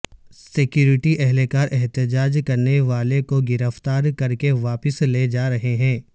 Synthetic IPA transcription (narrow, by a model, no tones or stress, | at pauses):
sɪkjuːɾɪʈiʔɛɦlekaːɾʔɛɦt̪ɪd͡ʒaːd͡ʒkɐɾneʋaːlekoɡɪɾəft̪aːɾkɐɾkeʋaːpəsleːd͡ʒaːɾɐɦeɦɛ̃ː